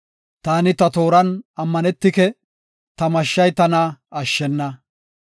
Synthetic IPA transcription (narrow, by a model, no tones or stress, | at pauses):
t̪aːnɪt̪ɐt̪o̞ːɾɐnɐmːɐnɛt̪ːɪkɛ | t̪ɐmɐʃːɐjt̪ɐnaɐʃːɛnːɐ